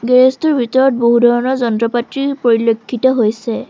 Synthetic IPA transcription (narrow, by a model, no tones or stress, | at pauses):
ɡɛɹestuɹbʱitɔɹɔt̚boɦudʱɔɹɔnɔzɔntɹɔpatɹipoɹilokʰːitɔɦojsɛ